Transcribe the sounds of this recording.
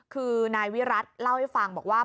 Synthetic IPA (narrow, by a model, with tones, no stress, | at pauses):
kʰɯː˧naː˧jwi˦˥ɾa˦˥t̪̚la˥˩wha˥˩jfa˧ŋbɔː˨˩k̚waː˥˩